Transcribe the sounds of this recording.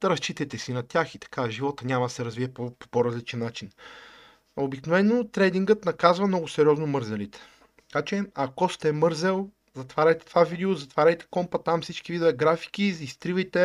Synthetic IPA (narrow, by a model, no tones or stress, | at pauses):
ɾɐst͡ʃit̪ɛt̪ɛsinɐt̪ʲjaxit̪ɐ̥kaʒivɔt̪ənʲamɐd̪ɐsɛɾɐzviɛpopopoɾɐzlit͡ʃɛnːat͡ʃin | obiknovɛnːot̪ɾɛd̪iŋɡət̪nɐkazvɐmnɔɡʊsɛɾiɔznomɤɾzɛlit̪ɛ̥ | t̪ɐkat͡ʃɛɐkɔst̪ɛmɤɾzɛlˠ | zɐt̪vaɾʲəjt̪ɛ̥t̪ovavid̪ɛozɐt̪vaɾʲəjt̪ɛ̥kɔmpɐt̪amfsit͡ʃkivid̪ovɛɡɾafi̥k̟izist̪ɾivɐjt̪ɛ